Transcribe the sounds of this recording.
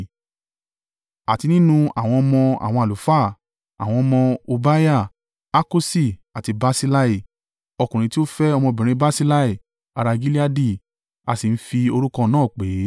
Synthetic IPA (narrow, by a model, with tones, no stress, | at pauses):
a˨ti˧nĩ˦nũ˧a˨w̃ɔ̃˧mɔ̃˧a̰˨w̃ɔ̃˧a˨lu˨˦fa˦˨ | a̰˨w̃ɔ̃˧mɔ̃˧o˧ba˦ja˦˨ | a˦ko˦si˦˨a˨ti˧ba˦si˦la˦i˦˨ | ɔ˧kũ˨ɾ̃ĩ˧ti˦o˦fɛ˦ɔ˧mɔ̃˧bĩ˨ĩ˧˦ba˦si˦la˦i˦˨ | a˨˧ɾa˧ɡi˦li˦a˦di˦˨ | a˧si˨n̩˦fi˧o˧ɾu˦kɔ̃˧nãː˦˨k͡pe˨˦